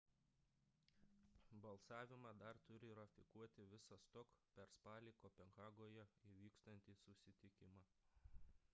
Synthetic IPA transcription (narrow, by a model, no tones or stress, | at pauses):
bɐlˠsɑːʋʲɪmɑːd̪ɐɾt̪ʊɾʲɪɾɐfʲɪkuɔt̪ʲɪʋʲɪsɐst̪ɔkpʲɛɾspɑːlʲikoːpʲɛŋɣɑːɡoːjɛiʋʲiːkst̪ɐnʲt̪ʲiːsʊʃsʲɪt̪ʲɪkʲɪmɑ